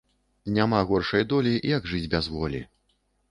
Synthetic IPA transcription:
nʲamaɣɔrʂɐjd̪ɔlʲijɐɡʐɨd͡zʲbʲazvɔlʲḭ

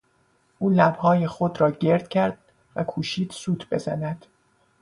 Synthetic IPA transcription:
ʔuːlæbhɒːjexo̞d̪ɾɒːɟe̞ɾd̪̥̚cʰæɾd̪̥̚ | vækʰuːʃiːd̪̥suːt̪ʰbe̞̰zæ̰næd̪̥

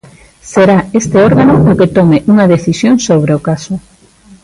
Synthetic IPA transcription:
seɾaest̪eɔɾɣanʊʊket̪ɔmeʔuŋaðeθisjoŋsoβ̞ɾeokasʊ

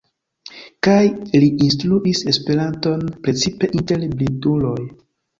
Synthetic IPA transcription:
kajliins̬tɾuʔise̞spe̞ɾanto̞npɾe̞t͡sipe̞ʔinte̞lblitulo̞j

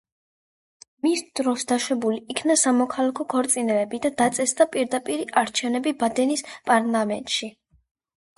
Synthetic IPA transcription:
misd̪̥ɾɔsd̪aʃɛbuliːkʰnasamɔkʰalˠakʰɔkʰɔɾt̪sʼinɛlɛbid̪ad̪at̪sʼɛsd̪apʼiɾd̪apʼiɾiʔaɾt͡ʃʰɛvnɛbibad̪ɛnispʼaɾlˠamɛnt̪ʼʃi

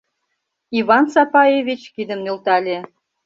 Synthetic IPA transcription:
iβɑnsɑpɑeβʲit͡ɕkid̪ə̆mnølt̪ɑlʲe

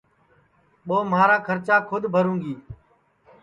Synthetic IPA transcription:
ɓoːmaːɾaːkʰəɾt͡ʃaːkʰʊd̪ʱbʱəɾũːŋɡiː

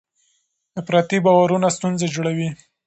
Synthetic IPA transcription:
d̪əpɾɑt̪ibɑwaɾunast̪unzad͡ʒoɽawi

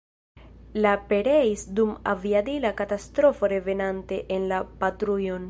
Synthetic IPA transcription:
lape̞ɾe̞isduma̰viadilakatastɾo̞fo̞ɾe̞ve̞nante̞ʔenlapatɾujo̞n

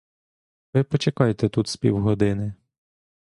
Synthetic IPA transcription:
ʋɪpɔt͡ʃekɑjet̪ɛt̪ut̪sʲpʲḭwɦɔd̪ɪnɪ

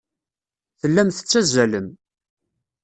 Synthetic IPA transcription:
θəlːæmθə̥t͡sːæzæləm

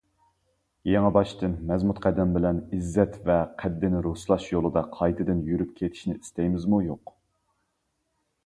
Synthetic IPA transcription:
jeŋæbɑʃt̪ɨnmɛzmut̪qʰɛd̪ɛmbɪlɛnizːɛt̪vɛqʰæd̪ːɪnɪɾuslˠɑʃjolˠɨd̪ɑqʰɑjt̪ʰɨd̪ɨnjyɾyp̚kʲʰet̪ʰɪ̥ʃnɪist̪ɛjmɪzmujoq

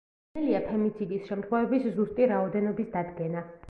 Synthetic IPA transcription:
ɛliapʰɛmit̪sʰid̪isʃɛmt̪χwɛvɛbiszuɾt̪ʼiɾaɔd̪ɛnɔbisd̪ad̪ɡɛna

